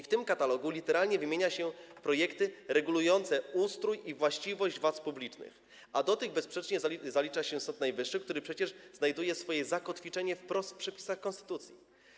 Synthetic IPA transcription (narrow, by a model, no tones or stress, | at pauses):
ift̪ɘmkat̪alɔɡulʲit̪ɛɾalɲɛvɘmʲjeɲaɕɛpɾɔjɛkt̪ɘɾɛɡulujɔnt̪sɛust̪ɾujivwaɕt͡ɕivɔʑd͡ʑvwat̪spublʲit͡ʂnɘ̰x | ʔad̪ɔt̪ɘɣbɛspʂɛt͡ʂɲɛzalʲit͡ʂaɕɛsɔt̪najvɘʂːɘkt̪uɾɘpʂɛt͡ɕɛʐznajd̪ujɛsfɔjɛzakɔt̪fʲit͡ʂɛɲɛfpɾɔst̪fpʂɛpʲi̥saxkɔnst̪ɘ̥t̪ut̪sʲjḭ